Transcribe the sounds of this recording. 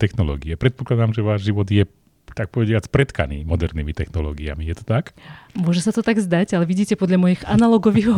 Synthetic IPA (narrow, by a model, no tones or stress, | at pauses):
t̪ɛxnɔlɔ̰ːɡiɛpɾɛt̪̚pɔklad̪amʒɛʋaːʒʒiʋɔd̪jɛ | t̪ak̚pɔʋɛɟɪat͡spɾɛt̪ka̰nḭːmɔd̪ɛɾniːmit̪ɛxnɔlɔ̰ːɡia̰mijɛt̪ɔ̥t̪akmʊɔʒɛsat̪ɔt̪aɡzd̪aɟalɛʋiɟiːcɛpɔd̪ʎamɔjiːxanalɔɡɔʋiːɣ